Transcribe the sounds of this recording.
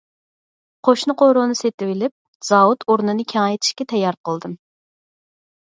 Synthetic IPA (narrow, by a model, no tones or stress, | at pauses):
qʰoʃnɨqʰoɾonɨset̪ɪwɪlɪp̚ | z̥ɑwut̪ʰoɾnɨnɨkʲʰɛŋɛjt̪ʰɪ̥ʃkʲɛt̪ʰɛjːɑɾqʰəlˠd̪ɨm